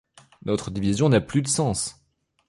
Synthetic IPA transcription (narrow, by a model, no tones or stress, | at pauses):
nɔt̪χəd̪ivizjɔ̃naplyd̪əsɑ̃s